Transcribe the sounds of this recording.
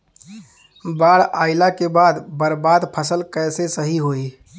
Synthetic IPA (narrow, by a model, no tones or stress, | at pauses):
baːɽaːɪlakebaːd̪bəɾbaːd̪pʰəsəlkɛːsesəɦiɦoi